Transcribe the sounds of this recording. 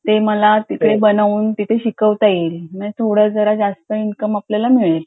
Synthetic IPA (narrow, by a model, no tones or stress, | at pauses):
t̪eməlat̪ikɽebənaʋuːnt̪it̪ʰeɕikəʋt̪ajilmə̃t̪ʰoɽəd͡zəɾad͡zast̪əinkəmapljalamiɭel